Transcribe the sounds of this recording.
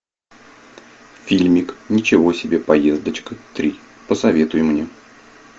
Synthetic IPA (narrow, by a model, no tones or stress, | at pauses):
fʲilʲmʲɪknʲɪt͡ɕɪvo̞sʲɪbʲe̞pɐje̞zd̪ət͡ɕkət̪ɾʲi | pəsɐvʲe̞t̪ʊjɪmnʲe